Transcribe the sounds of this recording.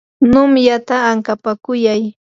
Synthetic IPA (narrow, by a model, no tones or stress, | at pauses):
nʊmjat̪aːŋkapakʊjaj